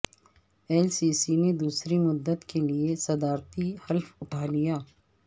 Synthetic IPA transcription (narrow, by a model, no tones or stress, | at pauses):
ɛːlsiːsined̪uːsɾimʊd̪ːət̪keliesɐd̪aːɾt̪ihɐlfʊʈʰaːlijaː